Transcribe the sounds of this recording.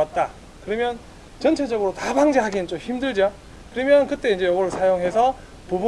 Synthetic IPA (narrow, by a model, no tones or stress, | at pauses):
at̚t͈a | kɯɾʌmjʌn | t͡ɕʌnt͡ɕʰe̞d͡ʑʌɡɯɾotabaŋd͡ʑeɦaɡinɯnt͡ɕ͈omçimdɯɭd͡ʑa | kɯɾʌmjʌnkɯt͈e̞ind͡ʑejʌɡʌɾɯɭsʰajoŋɦe̞sʰʌ | pub